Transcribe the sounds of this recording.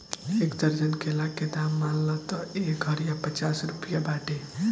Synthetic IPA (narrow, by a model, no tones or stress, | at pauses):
ekd̪əɾd͡ʒənkelaked̪amːanlət̪ɔeɡʱəɾjapət͡ʃasɾupijabaʈe